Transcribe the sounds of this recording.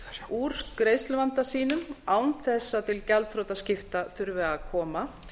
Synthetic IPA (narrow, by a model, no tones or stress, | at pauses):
ɾ̥uːɾ̥skɾeːjst̪lʏvant̪asiːnʏmaːwnθɛsːat̪ʰɪlcɛlt̪fɾowt̪ascɪft̪aθʏɾvɛɣakʰɔːma